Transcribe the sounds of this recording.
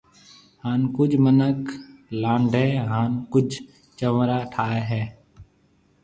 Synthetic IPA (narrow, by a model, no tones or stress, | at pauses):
haːnkʊd͡ʒmənəklãːɳɖʱɦɛːɦaːnkʊd͡ʒʱ | t͡ʃəʋɾaːʈʰaːeːɦɛː